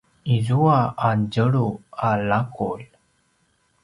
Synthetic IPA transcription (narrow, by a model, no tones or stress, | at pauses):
izuaad͡ʑəɭualakʰṵl